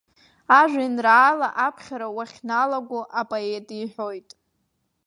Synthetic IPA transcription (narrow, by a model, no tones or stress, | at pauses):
aʒʷᶣinraːlaʔapʰχʲaɾawaχʲnalaɡʷʊʔapʼoetʼiħʷojtʼ